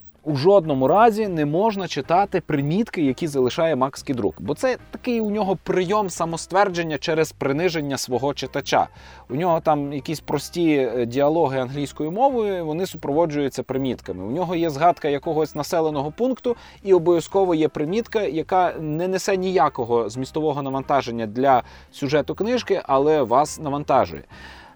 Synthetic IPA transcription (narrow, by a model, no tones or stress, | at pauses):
uʒɔd̪̚nɔmʊɾɑzʲinɛmɔʒnɐt͡ʃɪt̪ɑt̪ɪpɾɪmʲit̪kɪjɐkʲizɐlˠɪʃɑjɛmɑksʲkʲijd̪ɾṵkbɔt̪sɛt̪ɐkɪjʊnʲɔɦɔpɾɪjɔmsɐmɔst̪ʋɛrd͡ʒenʲːɐt͡ʃɛɾɛzpɾɪnɪʒenʲːɐsʋɔɦɔt͡ʃɪt̪ɐt͡ʃa̰ | unʲɔɦɔt̪ɑmjɐkʲisʲpɾɔsʲtʲidʲiɐlˠɔɦɪɐnɦlʲijsʲkɔjʊmɔʋʊjʊiʋɔnɪsʊpɾɔʋɔd͡ʒʊjʊt͡sʲːɐpɾɪmʲit̪kɐmɪ̰ʊnʲɔɦɔjɛzɦɑt̪kɐjɐkɔɦɔsʲnɐsɛlˠenɔɦɔpunkt̪ʊ | iɔbɔʋʲjɐskɔʋɔjɛpɾɪmʲit̪kɐjɐkɑnɛnesɛnʲijakɔɦɔzmʲist̪ɔʋɔɦɔnɐʋɐnt̪ɑʒe̞nʲːɐd̪lʲɐ | sʲʊʒɛt̪ʊknɪʒkɪʔɐlˠɛʋɑsnɐʋɐnt̪ɑ̰ʒʊ̰jɛ̰